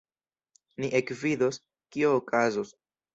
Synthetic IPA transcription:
niʔekvidos | kioːkazos

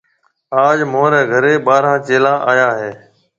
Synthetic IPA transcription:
aːd͡ʒmõːɾɛ̃ːɡʱəɾeːɓaːɾãːt͡ʃeːlãːʔaːjaːɦeː

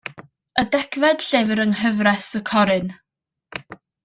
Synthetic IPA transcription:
ədɛkʰvɛd̥ɬevəɾənɦəvrɛsəkʰɔɾɨn

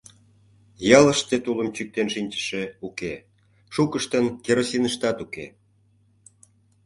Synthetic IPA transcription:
jɑləʃt̪et̪uləmt͡ɕyk̚t̪enʃinʲt͡ɕə̥ʃeuke | ʃukəʃt̪ənkeɾosinəʃt̪ɑt̪ukḛ

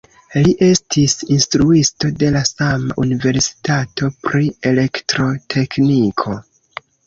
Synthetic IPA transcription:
liʔe̞stʰisinstɾuisto̞de̞lasama̰ʔunive̞ɾsi̥tatʰo̞pɾie̞le̞ktɾo̞tʰe̞knikʰo̞

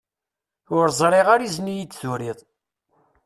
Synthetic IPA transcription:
ʊɾzˤɾˤeʁaɾiznijit͡sːθuɾiðˤ

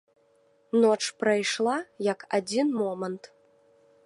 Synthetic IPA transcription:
nɔt͡ʂpɾajʂlˠajɐkad͡zʲinmɔmɐnt̪

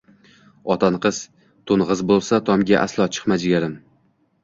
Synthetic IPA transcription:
ɒt̪ʰanqʰɨz̥ | t̪ʰonʁɨzbolˠsat̪ʰɒmɡʲaʔa̰slˠɒt͡ʃʰɨ̥qmad͡ʒɪɡʲaɾɪm

